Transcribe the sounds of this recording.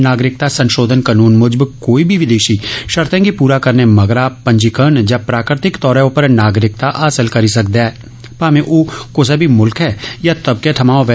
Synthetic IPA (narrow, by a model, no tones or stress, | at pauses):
naːɡɾɪk̚t̪asɐ̃nʃoːd̪ʱənkənuːnmʊd͡ʒbkoːibʱiʋɪd̪eːʃiʃɐɾt̪ʰẽkipuːɾakɐɾnemɐɡɾapɐ̃ɲd͡ʒikəɾɳd͡ʒapɾaːkɾɪt̪ɪkt̪ɔːɾɛopəɾnaːɡɾɪkt̪aʔaːsəlkɐɾisɐkd̪eɛː | paːmẽʔoːkos̬ɐbʱimʊlkɦɛːjat̪ɐb̚keʈʰɐmaːõʋɛ